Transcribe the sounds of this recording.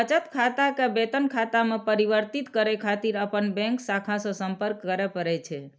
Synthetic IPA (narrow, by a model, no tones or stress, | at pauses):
ət͡ʃət̪kʰat̪akebet̪ənkʰat̪amãpəɾiʋəɾt̪it̪kəɾekʰat̪iɾəpənbɛ̃ŋksakʰãsosəmpəɾkːəɾepəɾet͡ʃʰe